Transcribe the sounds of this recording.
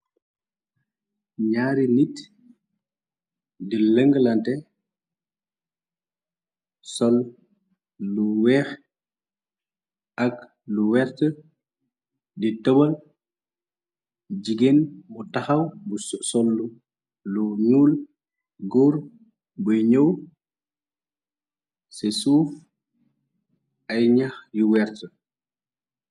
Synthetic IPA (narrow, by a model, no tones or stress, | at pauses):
ɲaːɾinit | diləŋɡlantɛ | sɔl | luwɛːx | ak | luwɛɾtə | ditəbəl | d͡ʒiɡenbutɐxɐwbusɔlːu | luɲuːl | ɡɔːɾ | bujɲəw | sɛsuːf | ɐjɲɐxjuwɛɾtə